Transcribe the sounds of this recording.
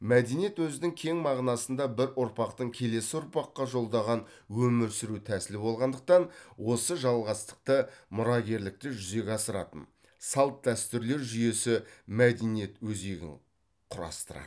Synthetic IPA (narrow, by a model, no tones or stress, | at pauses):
mæd̪e̞nijet̪wɵzɪnɪŋkʲʰe̞ŋmɑʁnɑsənd̪ɑbɪɾʊɾpɑqt̪əɴkʲʰe̞le̞sɪʊɾpɑqːɑʒo̞lˠd̪ɑʁɑn | wɵmɪɾsɪɾut̪ʰæsɪlɪbo̞lˠʁɑnd̪əq̚t̪ɑnwo̞səʒɑlˠʁɑst̪ə̥q̚t̪əmʊɾɑɡʲe̞ɾlɪk̚t̪ɪʒʏze̞ɡʲɑsəɾɑ̰t̪ə̰n | sɑlˠt̪̚d̪æst̪ʏɾle̞ɾʒʏje̞sɪmæd̪e̞nije̞t̪wɵze̞ɡʲɪ̰ŋ | qʰʊɾɑ̰st̪əɾɑ̰t̪